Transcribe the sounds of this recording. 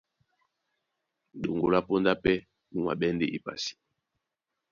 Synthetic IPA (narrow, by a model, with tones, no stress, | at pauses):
do˨ŋɡo˨la˦po˦nda˦pɛ˦ | nu˦ma̰˨ɓɛ˦nde˦ʔi˨pa̰˨si̥˨˦